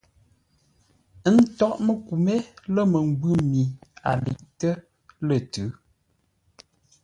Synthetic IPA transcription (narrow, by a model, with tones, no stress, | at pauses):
ə˦n̩˦tɔ˦ʔmə˨ku˨me˦lə˦mə˨ŋ˦ɡ͡bʉ˦˨mi˨a̰˨lḭ˨ʔtə˦ | lə˨tʉ˨˦